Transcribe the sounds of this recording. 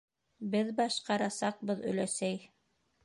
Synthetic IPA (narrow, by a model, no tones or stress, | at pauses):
bɘðbɑʃqɑɾɑsɑq̚bɤðɵ̰̆læsæj